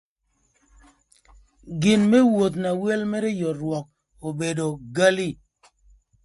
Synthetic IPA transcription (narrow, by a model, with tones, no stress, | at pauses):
ɡi˨nme˦wo˨t̪̬na˨we˦lme˦ɾe˦jɔ˨ɾwɔ˨k̚ | o˨be˨do˨ɡa˦li˦˨